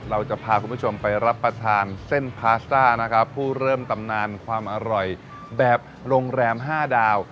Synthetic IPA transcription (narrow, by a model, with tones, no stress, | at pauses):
ɾa˧wt͡ɕa˨˩pʰaː˧ku˧npʰu˥˩t͡ɕʰo˧mpa˧jɾa˦˥pːɾa˧t̪ʰaː˧nse˥˩npʰaː˦˥st̪aː˥˩na˦˥kʰa˦˥pʰːuː˥˩ɾɤː˥˩mt̪a˧mnaː˧nkʰwaː˧mʔa˧ɾɔ˨˩j | bɛː˨˩p̚ɾoː˧ŋɾɛː˧mɦaː˥˩daː˧w